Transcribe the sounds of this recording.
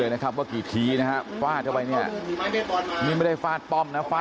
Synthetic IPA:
ɤː˧jna˦˥kʰa˦˥p̚waː˥˩kiː˨˩t̪ʰiː˨˦˥na˦ka˦˥faː˥˩t̪̚ʰa˥˩pa˧jni˥˩ɐ˧ | miː˥˧˩ma˥˩jda˥˩jfaː˥˩t̪̚pɔ˥˩mna˦˥faː˧˥

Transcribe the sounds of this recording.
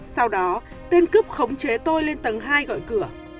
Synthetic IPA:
sa˧wɗɔ˨˦ | t̪e˧nkɨ˦˥p̚xə˨˦wŋ͡mt͡ɕe˨˦t̪o˧jle˧nt̪ə˨˦ŋɦaː˧jɣɔ̰˧˨jkɨ˧˩ə

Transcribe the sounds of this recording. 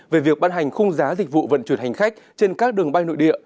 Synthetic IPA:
ve˨˩vi˨˩ək̚ɓaː˧nɦa˨˩jŋ̟xʊ˧ŋ͡mzaː˨˦zi˨˩k̟̚vṵ˧˨və̰˧˨nt͡ɕwu˧˩nhɦa˨˩ŋ̟xa˦˥jk̚t͡ɕe˧nkaː˦˥k̚ɗɨ˨˩əŋɓa˧jno̰˧˨jɗḭ˧˨ə

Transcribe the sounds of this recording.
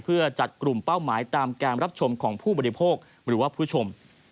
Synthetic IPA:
pʰɯ˥˩ɐt͡ɕa˨˩t̪̚kɾu˨˩mpa˥˩wmaː˩˦jt̪aː˧mkaː˧nɾa˦˥p̚t͡ɕʰo˧mkʰɔː˩˦ŋpʰuː˥˩bɔː˧ɾi˧pʰoː˥˩k̚ | ɾɯː˩˦waː˥˩pʰu˦˥t͡ɕʰo˧m

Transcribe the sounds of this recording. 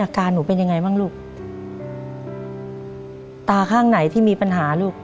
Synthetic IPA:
ʔaː˧kaː˧nːuː˩˦pe˧nja˧ŋːa˧jmaː˥˩ŋluː˥˩k̚ | t̪aː˧kʰaː˥˩ŋna˩˦jt̪ʰiː˥˩miː˧pa˧nɦaː˩˦luː˥˩k̚

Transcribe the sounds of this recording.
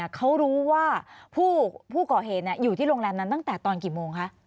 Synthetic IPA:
kʰa˦˥wɾuː˦˥waː˥˩pʰuː˥˩pʰuː˥˩kɔː˨˩ɦeː˨˩t̪̚ni˥˩juː˨˩t̪ʰiː˥˩ɾoː˧ŋlɛː˧nːa˦˥nt̪a˥˩ŋt̪ɛː˨˩t̪ɔː˧nkiː˨˩moː˧ŋkʰa˦˥ʔ

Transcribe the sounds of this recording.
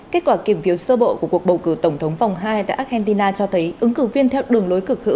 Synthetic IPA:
ke˦˥t̚kwaː˧˩ki˧˩əmfi˨˦əwsəː˧ɓo̰˧˨ku˧˩ku˨˩ək̚ɓə˨˩wkɨ˧˩t̪ə˧˩wŋ͡mt̪ʰə˨˦wŋ͡mfa˨˩wŋ͡mɦaː˧jt̪a̰ː˧˨ʔa˦˥hɛ˧nt̪i˧naː˧t͡ɕɔ˧t̪ʰə˨˦jʔɨ˨˦ŋkɨ˧˩vi˧ənt̪ʰɛ˧wɗɨ˨˩əŋlo˨˦jkɨ˨˩ək̚hɨ̰˧˥w

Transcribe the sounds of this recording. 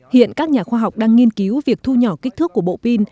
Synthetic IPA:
hḭ˧˨ənkaː˦˥k̚ɲaː˨˩xwaː˧ɦa˨˩wk͡p̚ɗaː˧ŋːi˧ənki˨˦wvi˨˩ək̚t̪ʰu˧ɲɔ˧˩ki˦˥k̟̚t̪ʰɨ˦˥kːu˧˩əɓo̰˧˨pi˧n

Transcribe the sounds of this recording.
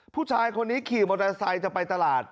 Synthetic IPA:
pʰuː˥˩t͡ɕʰaː˧jkʰo˧nːiː˦˥kʰiː˨˩moː˧da˧sa˧jt͡ɕa˨˩pa˧jt̪a˧laː˨˩t̪̚

